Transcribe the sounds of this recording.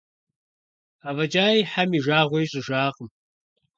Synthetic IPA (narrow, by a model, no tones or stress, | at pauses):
aːvɐd͡ʒaːjħamiʒaːʁʷejɕʼɪʒaːqʼəm